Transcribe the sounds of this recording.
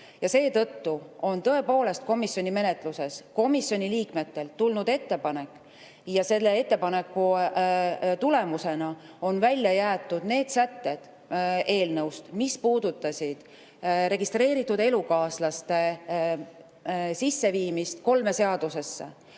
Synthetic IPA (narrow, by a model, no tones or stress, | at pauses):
jɑse̞ːt̪ɤ̞t̪ːuo̞nt̪ɤ̞e̞po̞ːle̞st̪ko̞misjo̞nʲime̞ne̞t̪ˑluse̞sko̞misːjo̞nʲiliːkme̞t̪ːe̞lt̪ulnud̪e̞t̪ːe̞pɑne̞kːˑ | jɑse̞lːe̞e̞t̪ːe̞pɑne̞kːu | t̪ule̞muse̞nɑo̞nvælʲjɑjæːt̪ːˑud̪̥ne̞ːd̪̥sæt̪ːe̞d̪̥ | e̞ːlnɤwst̪mispuːd̪̥ut̪ːˑɑsʲid̪̥ | ɾe̞ɡist̪ɾe̞ːɾit̪ːˑud̪e̞lukɑːslɑst̪e̞ | sisːe̞viːmist̪ko̞lme̞seɑd̪̥use̞sːe̞̰